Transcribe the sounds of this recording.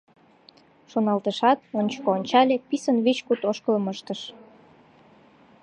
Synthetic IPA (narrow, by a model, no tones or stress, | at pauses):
ʃonɑlt̪əʃɑt̪onʲt͡ɕkoonʲt͡ɕɑlʲepisənβit͡ɕkut̪oʃkələməʃt̪əʃ